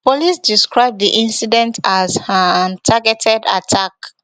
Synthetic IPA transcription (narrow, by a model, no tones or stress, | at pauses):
polisdiskɹaɪb̚ðiʔĩnsidɛ̃ntʰazantʰaɡɛtʰɛda̰tʰak